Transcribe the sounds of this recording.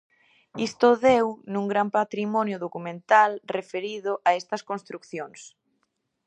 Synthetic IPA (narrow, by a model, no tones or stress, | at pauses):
ist̪ʊðewnũŋɡɾampat̪ɾimɔnjʊðokumẽnt̪alrefeɾiðʊʔaest̪ɐskõnst̪ɾukθjoŋs